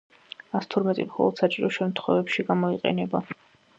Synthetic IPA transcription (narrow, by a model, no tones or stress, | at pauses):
ast̪ʰɔɾmɛt̪ʼimχɔ̰lˠɔ̰d̪̥sat͡ʃʼiɾɔʃɛmt̪ʰχwɛvɛpʃiɡamɔiqʼɛ̰nɛba